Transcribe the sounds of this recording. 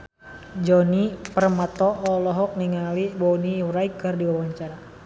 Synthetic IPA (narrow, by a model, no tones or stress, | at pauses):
d͡ʒɔnipərmat̪ɔʔːlɔɦɔk̚niŋalibɔniwɾaikːɨrdiwawaɲt͡ʃaɾa